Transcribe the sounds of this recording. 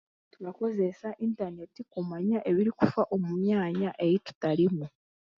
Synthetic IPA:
tuβako̞ze̞saʔintane̞tikumaɲaʔe̞βiɾikufaʔo̞mumjaːɲaʔe̞jitu̥talimu

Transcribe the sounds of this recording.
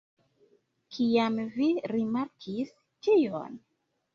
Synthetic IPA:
kʰiamviɾimaɾkʰis | tijo̰n

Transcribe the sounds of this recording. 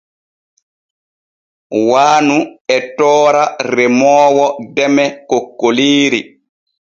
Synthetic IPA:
waːnuɛtɔːɾaɾɛmɔːwɔdɛmɛkokːoliːɾi

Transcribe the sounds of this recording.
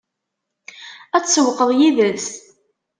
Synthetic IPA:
æt͡sːsəwqəðˤjiðəs

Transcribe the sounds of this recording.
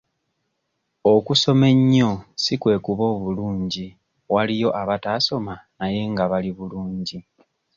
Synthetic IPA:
o̞kuso̞me̞ɲːo̞sikwe̞ːkuβo̞ːβuluːɲɟi | walijo̞ʔaβataːso̞manaje̞ŋɡaβaliβuluːɲɟi

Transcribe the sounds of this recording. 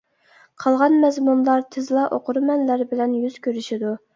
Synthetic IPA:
qʰɑlˠʁɑnmɛzmunlˠɑɾt̪ʰɪzlˠɑʔoqʊɾɨmɛnlæɾbɪlɛnjyz̥kʲøɾyʃid̪u

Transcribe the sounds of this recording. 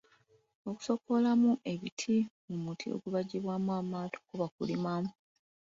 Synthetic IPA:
o̞ku̥so̞ko̞lamuʔe̞βitʰimumutʰḭo̞̰ɡuβaɟiβwamwaːmaːtʰo̥kuβakulimamu

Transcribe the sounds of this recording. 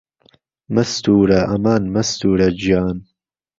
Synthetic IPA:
mɐst̪uːɾɐʔɐmaːnmɐst̪uːɾɐd͡ʒaːn

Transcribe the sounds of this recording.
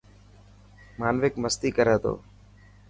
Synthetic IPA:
maːnʋɪkməst̪iːkəɾeːt̪o̰ː

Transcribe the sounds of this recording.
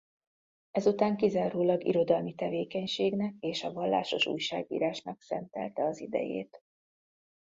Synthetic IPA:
ɛzut̪aːŋkizaːɾoːlɒɡḭɾo̞d̪ɒlmit̪ɛveːkɛɲʃeːɡnɛkeːʃɒvɒlːa̰ːʃo̞ʃṵjʃaːɡḭːɾaːʃnɒksɛ̰nt̪ɛ̰lt̪ɛɒzid̪ɛ̰jḛːt̪

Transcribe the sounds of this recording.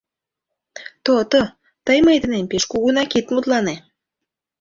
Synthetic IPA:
t̪ot̪o | t̪əjmejd̪ənempeʃkuɣunɑkit̪mut̪lɑne

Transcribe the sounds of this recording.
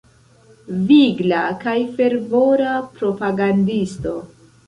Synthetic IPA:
viɡlakajfe̞ɾvo̞ɾapɾo̞paɡandisto̞

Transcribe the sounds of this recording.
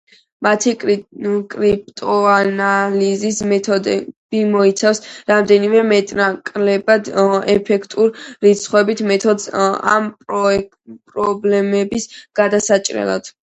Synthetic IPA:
mat̪ʰi | kʼɾip̚ʼt̪ʼɔanalizismɛt̪ʰɔd̪ɛb̥imɔit̪sʰafsɾamd̪ɛnimɛmɛt̪ʼnakʼlɛbad̪ɛ̰pʰɛkʰt̪ʼuɾɾit̪sʰχwɛbit̪ʰmɛt̪ʰɔd̪a̰mpʼ | pʼɾɔblɛmɛbisɡ̥ad̪asat͡ʃʼɾɛ̰lˠa̰d̪̥

